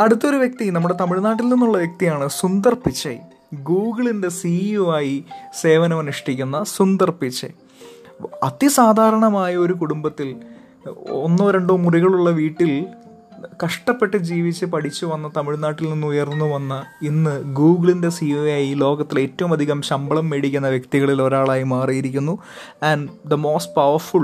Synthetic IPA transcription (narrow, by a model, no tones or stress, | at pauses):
ɐɽut̪ːo̞ɾuʋjek̚t̪inɐmːuɽe̞t̪ɐmiɭnaːʈ̬ːilninːuɭːɐʋjek̚t̪ijaːɳɨsund̪ɐrpit͡ɕːɐ̰j | ɡuːɡɨɭinde̞sijuaːjise̞ːʋɐnɐmɐnuʂʈikʲːunːɐsund̪ɐrpit͡ɕːɐ̰ | ɐt̪isaːd̪ʱaːɾɐɳɐmaːjɐo̞ɾukuɽumbɐt̪ːil | o̞̰nːoːɾeɳɖoːmuriɣɐɭuɭːɐʋiːʈːil | kɐʂʈɐpːe̞ʈːɨd͡ʑiːʋit͡ɕːɨpɐʈʰit͡ɕːuʋɐnːɐt̪ɐmiɻnaːʈːilninːujɐrnːuʋɐnːɐinːɨɡuːɡɭinde̞sijujajilo̞ːɣɐt̪ːile̞ːtːɐʋumɐd̪ʱiɣɐmɕɐmbɐɭɐmːeɽikʲːunːɐʋjɐk̚t̪iɣɐɭiloɾaːɭaːjimaːrijiɾikʲːunːu | ɐnɖd̪ɐmo̞ːsʈ̚pɐʋɐrfuɭ